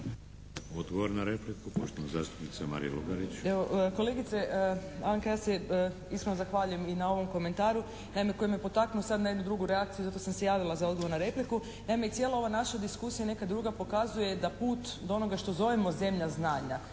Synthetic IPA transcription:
od̪ɡoʋoɾnaɾeplikupo̰ʃt̪onazaːst̪upnit̪sama̰ɾḭjḛluɡaɾit͡ʃeʋoko̞le̞ɡit̪se̞ʔaŋkajaːse | iskɾenozaxʋaʎuje̞minao̞ʋo̞mko̞me̞nt̪aːɾu | naime̞ko̞jemjepo̞t̪aknuosad̪najed̪nud̪ɾuɡuɾeak̚t̪sijuzat̪osamse̞jaːʋilˠazaoɡo̞ʋo̞ɾnaɾe̞pliku | naimeitsje̞lao̞ʋanaʃad̪iskusijane̞kad̪ɾuːɡapo̞kazuje̞d̪apuːt̪d̪oono̞ɡaʃt̪o̞zo̞ʋemo̞ze̞mʎaznaːɲa

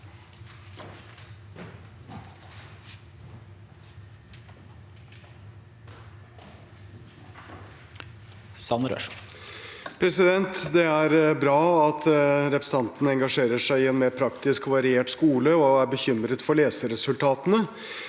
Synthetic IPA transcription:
sɑnɾø̰ːʂ | pʰɾɛsɪd̪ɛnt̪d̪ɛæɾbɾɑːɑt̪ʰɾɛpɾəst̪ɑnt̪ənəɛŋɡɑʂeːɾəʂæɪɪɛnmeːɾpʰɾɑkt̪ɪskʋɑɾɪeːʈskuːləɔæɾbəçʏmɾət̪fɔɾɭleːsəɾɛsʉlt̪ʰɑːt̪ənə

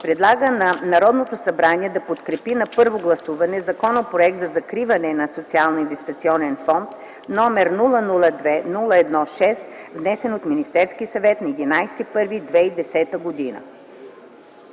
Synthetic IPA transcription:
pɾɛd̪lˠaɡənɐnɐɾɔd̪not̪osɐbɾaniɛd̪ɐpot̪kɾɛpinɐpɤɾvoɡlˠɐsuvɐnɛzɐkɔnopɾoɛk̚t̪zɐzɐkɾivɐnɛnɐsot̪sialˠnoinvɛst̪it̪siɔnɛnfɔnt̪ | nɔmɛɾnulˠənulˠəd̪vɛnulˠəɛd̪nɔʃɛsvnɛsɛnot̪minist̪ɛɾskiəsɐvɛt̪nɐɛd̪inajsɛ̥t̪ipɤɾvid̪vɛid̪ɛsɛt̪əɡod̪inə̰

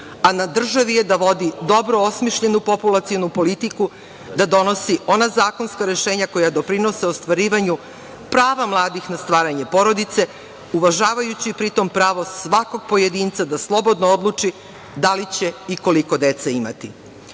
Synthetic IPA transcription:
anad̪r̩ʒaʋije̞d̪aʋo̞d̪id̪o̞bɾoosmiʃʎe̞nupo̞pulˠat̪sijonupo̞lit̪iku | d̪ad̪o̞no̞sio̞nazaːko̞nskaɾe̞ʃe̞ːɲako̞jad̪o̞pɾino̞seost̪ʋaɾiːʋaɲu | pɾaːʋamlˠaːd̪ixnast̪ʋaːɾaɲe̞po̞ɾo̞d̪it̪se̞ | uʋaʒaːʋajut͡ɕipɾit̪o̞mpɾaːʋo̞sʋako̞ɡ̚po̞je̞d̪iːnt̪sad̪aslˠo̞bo̞d̪noo̞d̪lˠut͡ʂi | d̪alit͡ɕe̞iko̞liko̞d̪et̪saima̰t̪i

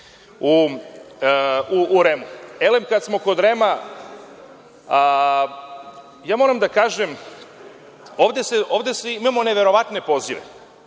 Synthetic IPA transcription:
u | uʔːɾemuelemkad̪smo̞ko̞d̪ɾema | jaːmo̞ɾamd̪akaːʒem | o̞ːʋd̪eseʔo̞ːʋd̪eseimamo̞neʋe̞ɾo̞ʋat̪ne̞po̞ziʋḛ

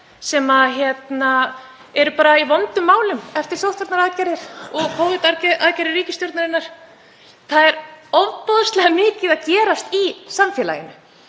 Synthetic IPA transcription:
sɛmaðçjɛt̪na | ɛɾʏpaːɾaivɔnt̪ʏmːaːwlʏmɛft̪ɪɾ̥sowht̪vaɾt̪naɾaðcɛɾɪɾ̥ɔɣkʰowvʏt̪aɾcʔaðcɛɾɪrːiːcɪst̪jɔɾt̪naɾɪnːaɾ̥ | θaðɛɾɔvpɔðʏst̪lɛɣamɪːcɪðaðcɛːɾast̪isamfjɛːla̰jɪ̰nʏ

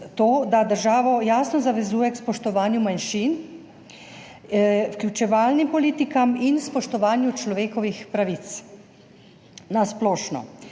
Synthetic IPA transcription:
t̪oːd̪ad̪əɾʒaːʋɔjaːsnɔzaʋɛzuːjɛkspɔʃt̪ɔʋaːnjumanʃiːn | wklʲjut͡ʃɛʋaːlnimpɔliːt̪ikaminspɔʃt̪ɔʋaːnjut͡ʃlɔʋeːkɔʋixpɾaʋit̪s | nasplɔːʃnɔ̰

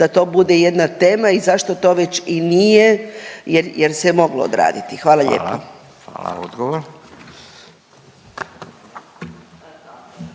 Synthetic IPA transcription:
d̪̥at̪o̞ːbud̪ejed̪nat̪e̞ːmaizaʃt̪o̞t̪o̞ʋe̞t͡ɕinijejeɾjeɾsemo̞ɡlo̰o̰d̪ɾa̰ːd̪it̪ixʋaːlˠaʎḛːlpo | a̰la̰od̪ɡoʋoɾ

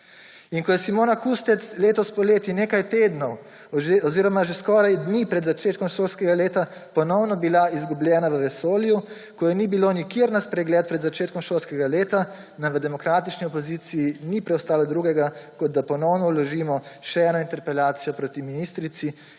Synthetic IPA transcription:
iŋkɔjɛsimoːnakust̪ɛt̪sleːt̪ɔspɔleːt̪ineːkajt̪eːd̪nɔw | ʒeɔziːɾɔmaʒeskɔːɾajd̪niːpɾɛd̪zat͡ʃeːt̪̚kɔmʃoːlskɛɡaleːt̪apɔnɔwnɔbilaizɡubljɛːnaʋəʋɛsoːlju | kɔjɛnibilonikeɾnaspɾɛɡlɛːt̪̚pɾɛd̪zat͡ʃeːt̪kɔmʃoːlskɛɡaleːt̪a | namʋəd̪ɛmɔkɾaːt̪it͡ʃniɔpɔziːt̪sijinipɾɛwst̪aːlɔd̪ɾuːɡɛɡakɔd̪̚d̪apɔnɔwnɔwlɔʒiːmɔʃɛɛːnɔint̪ɛɾpɛlaːt̪sijɔpɾot̪iminiːst̪ɾit̪si

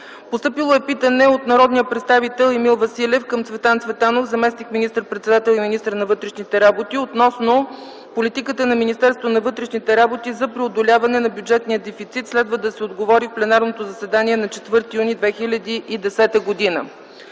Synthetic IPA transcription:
post̪ɤpilˠoɛpit̪ənɛot̪nɐɾɔd̪nijəpɾɛt̪st̪avit̪ɛlˠɛmilˠvɐsilʲɛfkəmt̪svɛt̪ant̪svɛt̪anofzɐmɛsnikminist̪əɾpɾɛt̪sɛd̪at̪ɛlˠiminist̪əɾnɐvɤt̪ɾɛʃnit̪ɛɾabot̪iot̪nɔsno | polit̪ikət̪ənɐminist̪ɛɾst̪vonɐvɤt̪ɾɛʃnit̪ɛɾabot̪izɐpɾiod̪olʲavɐnɛnɐbʲjud͡ʒɛt̪nijəd̪ɛfit̪sit̪slɛd̪vəd̪ɐsɛod̪ɡovɔɾifplɛnaɾnot̪ozɐsɛd̪aniɛnɐt͡ʃɛt̪vɤɾt̪ijunid̪vɛxilʲɐd̪iid̪ɛsɛt̪əɡod̪inə̰

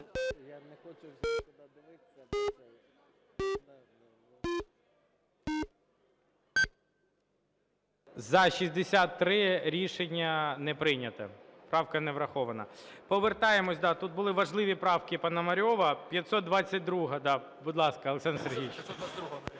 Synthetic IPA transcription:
zɐʃʲizʲd̪esʲat̪ːɾɪɾʲiʃenʲːɐnɛpɾɪnʲɐt̪ɐ̰pɾɑwkɐnɛʋɾɐxɔʋɐnɐ̰pɔʋert̪ɑjemɔsʲd̪ɑt̪ut̪̚bʊlˠɪʋɐʒlˠɪʋʲipɾɑwkʲɪpɐnɐmɐɾʲɔʋɐpʲjɐt̪sɔt̪d̪ʋɑt͡sʲːɐt̚ʲd̪ɾuɦɐd̪ɑ | bud̪lˠɑskɐɐlˠeksɑnserɦʲit͡ʃ

